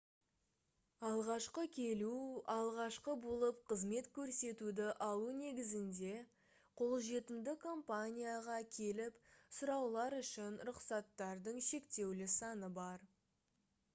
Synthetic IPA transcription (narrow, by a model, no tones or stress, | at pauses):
ɑlˠʁɑʃqəkʲʰe̞luɑlˠʁɑʃqəbolˠəpqʰəzme̞t̪kʲʰɵɾse̞t̪ud̪ɪʔɑlˠune̞ɡʲɪzɪnd̪e̞ | qʰo̞lˠʒe̞t̪ɪmd̪ɪkʰo̞mpanʲijaʁɑkʲʰe̞lɪpsʊɾɑwlˠɑɾʏʃɪnɾʊqsɑt̪ːɑɾd̪əɴʃe̞kt̪e̞wlɪsɑnəbɑɾ